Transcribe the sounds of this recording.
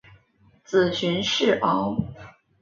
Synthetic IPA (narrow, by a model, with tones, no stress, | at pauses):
t͡sɹ̩˨˩ɕy˧˥nʂɻ̩˥˩ʔɑ˧˥ʊ